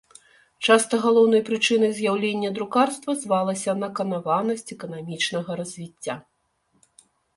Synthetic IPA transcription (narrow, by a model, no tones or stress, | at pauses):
t͡ʂast̪ɐɣalˠɔwnɐjpɾɨt͡ʂɨnɐjzjawlʲenʲːɐd̪ɾukarst̪vɐzvalˠɐsʲɐnɐkɐnavanɐsʲt͡sʲɛkɐnamʲit͡ʂnɐɣɐɾɐzʲvʲit͡sʲːa